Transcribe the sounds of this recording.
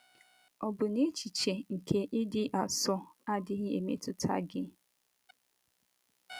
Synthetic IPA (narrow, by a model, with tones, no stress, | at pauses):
ɔ˨bʊ˨ne˦t͡ʃi˨t͡ʃe˨ŋ̩˨kʰe˦ʔɪ˦dɪ˦ʔa˨sɔ˦a˦dɪ˦ɣɪ˦e˨mḛ˦tʊ˦tʰa̰˦ɡɪ˦